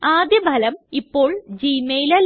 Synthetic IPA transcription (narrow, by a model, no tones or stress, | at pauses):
aːd̪jɐbʱɐlɐmipːo̞ːɭd͡ʑiːmejlɐl